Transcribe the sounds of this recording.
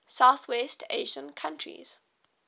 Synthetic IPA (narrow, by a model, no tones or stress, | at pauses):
saʊθwɛstʰḛʒə̃nkʰãntʰɹḭz̥